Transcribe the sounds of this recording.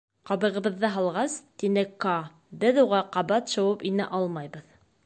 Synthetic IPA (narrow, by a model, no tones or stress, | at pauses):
qɑβɤ̆ʁɤ̆βɤ̆ðːɤɦɑlˠʁɑst̪inɘkɑ | bɘðuʁɑqɑβɑt̪ʃɤ̆wɤpinɘʔɑlˠmɑjbɤð